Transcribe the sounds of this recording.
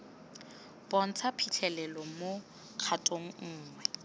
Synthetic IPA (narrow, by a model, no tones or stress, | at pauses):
pʼɔn̩t͡sʰapʰit͡ɬʰɛlɛlɔmo | q͡χʰatʼoŋ̩ŋŋ̩ːŋwɛ